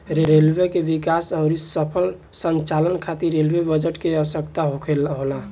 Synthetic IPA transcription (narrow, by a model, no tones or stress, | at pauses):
ɾeɾelʋekebikasəʊɾisəpʰəl | sənt͡ʃalənkʰat̪iɾːelwebəd͡ʒeʈkeəʋəsəkt̪aɦokʰelɦola